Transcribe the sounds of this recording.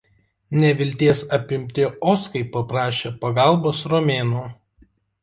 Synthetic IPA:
nʲɛʋʲɪlʲt̪ʲiɛsɐpʲɪmʲt̪ʲɪʔɔskɐɪpɐpɾɑːʃʲeːpɐɡɑˑlˠboːsɾɔmʲeːnuː

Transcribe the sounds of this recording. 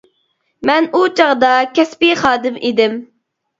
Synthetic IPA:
mɛnut͡ʃʰɑʁd̪ɑkʲɛspiχɑːd̪ɪmʔid̪ɪm

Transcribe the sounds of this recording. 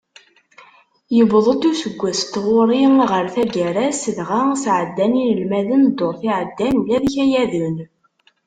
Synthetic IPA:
jəbðˤət̪usəɡʷːæst̪ʁoɾˤiʁəɾθæɡæɾæsəðʁasʕəd̪ːæninəlmæðənd̪oɾˤθiʕəd̪ːænlæðçæjæðun

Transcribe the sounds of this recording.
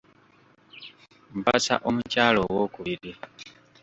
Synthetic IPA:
mbasa̰ʔomucaːlo̞wokuβiɾi

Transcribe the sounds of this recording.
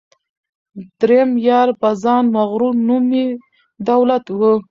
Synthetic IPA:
d̪̥ɾejamjɑɾbazɑnmaɣɾunumi | d̪awlat̪wə

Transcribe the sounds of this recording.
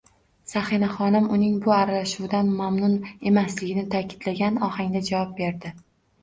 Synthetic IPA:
saχɪnaχɒnɪmʊnɪŋbʊaɾalaʃuwd̪anmamnʊne̞maslɪɡʲɪnɪt̪ʰakʲʰɪ̥d̪̥laɡʲanɒhaŋd̪ad͡ʒavɒp̚be̞ɾd̪ɪ

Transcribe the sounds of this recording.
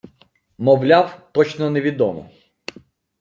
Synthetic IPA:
mɔwlʲawt̪ɔt͡ʃnɔnɛʋʲid̪ɔmɔ̰

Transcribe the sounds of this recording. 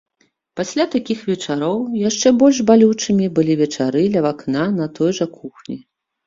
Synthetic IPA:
pasʲlʲat̪akʲixvʲɛt͡ʂaɾɔwjaʂt͡ʂɛbɔlʲʐbalʲut͡ʂɨmʲibɨlʲivʲɛt͡ʂaɾɨd̪lʲɐvaknanɐt̪ɔjʐɐkuxnʲi

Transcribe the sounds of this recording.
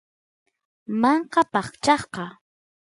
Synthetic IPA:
mɑɴqɑpɑχt͡ʃɑχqɑ

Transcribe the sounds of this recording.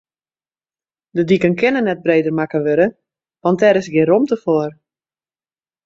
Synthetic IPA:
dədikənkʰɪnənɛt̚breːdərmakəʋøɾə | ʋɑntɛɾɪsɡɪromtəfoər

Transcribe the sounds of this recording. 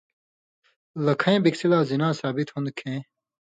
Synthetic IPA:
lɐkʰɐ̃ẽːbiksilaːzinãːsaːbit̪hõnd̪kʰẽː

